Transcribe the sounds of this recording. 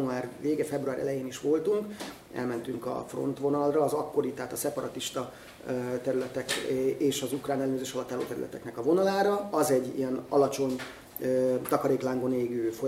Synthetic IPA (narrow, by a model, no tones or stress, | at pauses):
uaːrʋeːɡɛfɛbruaːɾʔɛ̰lɛjeːniʃʋo̞lt̪uŋk | ɛ̰lmɛnt̪yŋkɒ̰fro̞̰nt̪ʋo̞nɒlrɒːzɒkːo̞ɾit̪ɛɦaːt̪ɒsɛpɒɾɒt̪iʃt̪ɒ | t̪ɛɾylɛt̪ɛkeːʃɒzukraːnɛlːɛnøːzeːʃɒlɒt̪ːaːlo̰ːt̪ɛɾy̰lɛ̰t̪ɛ̰knɛkɒvo̞nɒlaːɾɒɒzɛɟːḭɛnɒ̰lɒt͡ʃo̞ɲ | øt̪ɒkɒɾeːklaːŋɡoneːɡøːfo